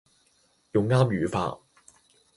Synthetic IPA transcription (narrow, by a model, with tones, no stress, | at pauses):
jʊ˨˧ŋːaː˥mjyː˨˥fa̰ː˧